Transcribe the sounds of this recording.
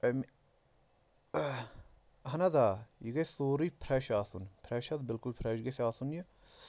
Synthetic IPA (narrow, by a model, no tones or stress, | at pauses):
ɐm | ɦɐnɐzaːjiɡɐsoːɾipʰɾɛʃaːsunpʰɾɐʃɐd̪bɪlkulpʰɾɐʃɡɐsʲaːsunji